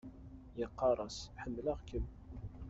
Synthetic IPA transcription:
jəqːɑɾˤɑsħəmːləʁkəm

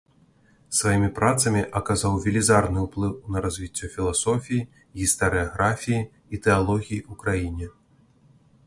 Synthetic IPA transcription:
svajimʲipɾat̪sɐmʲiʔɐkazawvʲilʲizarnɨuplˠɨwnɐɾazʲvʲit͡sʲːɔfʲilˠasɔfʲiji | ɣʲist̪ɐɾɨaɣɾafʲijiː | t̪ɛalˠɔɣʲijiukɾajinʲɛ

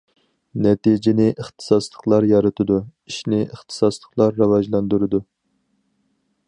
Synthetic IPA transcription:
nɛt̪id͡ʒɪnɪʔəχt̪ʰɨ̥sɑslˠəqlˠɑɾjɑɾɨt̪ʰɨd̪uiʃnɪʔəχt̪ʰɨ̥sɑslˠəqlˠɑɾːɑwɑʒlˠɑnd̪uɾɨd̪u

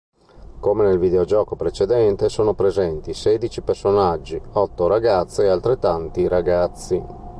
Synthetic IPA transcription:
komenelvid̪eod͡ʒɔːkopɾet͡ʃed̪ɛnt̪esoːnopɾezɛnt̪iseːd̪it͡ʃipersonad͡ʒːiɔt̪ːoɾaɡat̪sːeːalt̪ɾet̪ːant̪iɾaɡat̪sːi

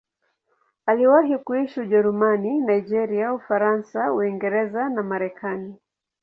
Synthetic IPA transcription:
aliwaɦikuiʃiuʄɛɾumaninaid͡ʒɛɾiaufaɾansauiŋɡɛɾɛzanamaɾɛkʰani

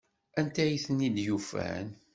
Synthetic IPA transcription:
ænt̪æjiθənːid̪jufæ̰n

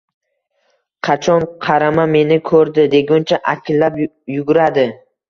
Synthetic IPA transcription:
qʰɑt͡ʃʰɒnqʰɑɾamame̞nɪkʰɵɾd̪ɪd̪e̞ɡʲʊnt͡ʃʰaʔakʲʰlːap | jʊɡʊɾad̪ɪ

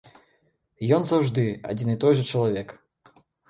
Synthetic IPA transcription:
jɔnzawʐd̪ɨa̰d͡zʲinit̪ɔjʐɐt͡ʂɐlˠavʲɛk

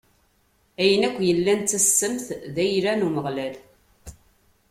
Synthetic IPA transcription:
æjənækʷːjəlːænt͡s̪ːæsːəmθðæjɾænuməʁlæl

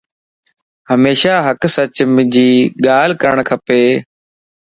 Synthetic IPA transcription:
həmeːʃaːɦəksət͡ɕmɪd͡ʑiːɠaːlkəɳ̃kʰəpeː

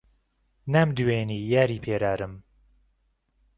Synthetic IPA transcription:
namd̪uweːniːjaːɾiːpʰeːɾaːɾɨm

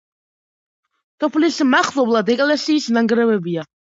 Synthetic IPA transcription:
t̪ʰʼɔpʰlismaχlˠɔblˠad̪ɛkʼɛlɛsiːsnaŋɡɾɛvɛbia

